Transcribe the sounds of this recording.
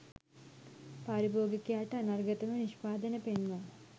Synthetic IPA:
paɾibʱoːɡikʲːjaːjʈːɐɐnɐrɡɐt̪ɐmɐniʂpaːd̪ɐnɐpenmɐ

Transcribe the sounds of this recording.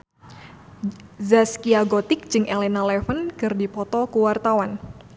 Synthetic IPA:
zaskiaɡɔt̪ɪk̚d͡ʒɨŋʔelɛnalɛfənkɨrdipɔt̪ɔkuwart̪awan

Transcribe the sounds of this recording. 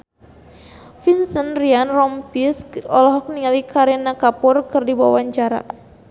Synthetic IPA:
finsənrianrɔmpisɔlɔɦɔk̚niŋalikʰaɾɛnakapʊrkɨrdibawaɲt͡ʃaɾa̰

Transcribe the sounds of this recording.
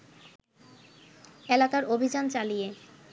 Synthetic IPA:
elakaɾobʱid͡ʑant͡ɕalije

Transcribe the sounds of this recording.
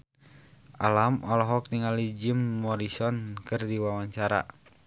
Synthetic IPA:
ʔalamɔlɔɦɔk̚t̪iŋalid͡ʒimːɔɾisɔnkɨrdiwawaɲt͡ʃaɾa̰

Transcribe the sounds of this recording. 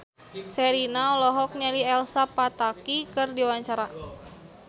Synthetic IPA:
sɛɾinaɔlɔɦɔk̚ɲaliɛlsapat̪akikɨrdiwawaɲt͡ʃaɾa

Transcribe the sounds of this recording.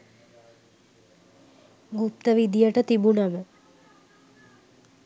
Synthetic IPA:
ɡupt̪əʋid̪ijəʈət̪ibunɐmə

